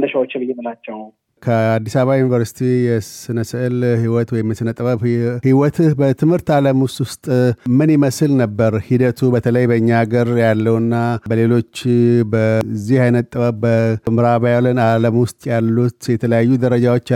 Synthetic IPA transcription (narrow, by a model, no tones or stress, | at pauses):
nəʃawot͡ʃːɪbɨjːemɨlat͡ʃːɛw | kʰəad̪ːisaβajunivəɾsi̥t̪ʰijɛsɨnəsɨʔɨlhiwɔt̪wɔjmːɨsɨnət̪ʼəβəβhiwɔt̪ʰbət̪ʰɨmhɨɾt̪aləmwst̪ʼwʊst̪ʼmɨnɪməsɨlnəbːəɾhid̪ət̪ʰubət̪ʰələjbəɨɲːaɡəɾjalːəwnːabəle̞lo̞t͡ʃːbəzihajnət̪t̪ʼːəβəbbəmɨɾaβajalənaləmwʊst̪ʼjalːut̪jɛt̪ʰələjajːud̪əɾəd͡ʒawot͡ʃː